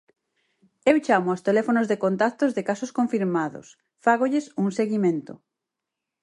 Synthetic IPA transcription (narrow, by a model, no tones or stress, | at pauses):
ewt͡ʃamʊast̪elɛfonʊzðekont̪ak̚t̪ozðekasʊskõɱfiɾmaðʊ̰s | faɣoʎesuŋseɣimẽnt̪ʊ̰